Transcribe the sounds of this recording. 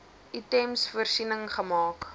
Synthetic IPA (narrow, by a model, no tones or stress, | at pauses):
ʔitɛmsfuərsinəŋχəmɑːk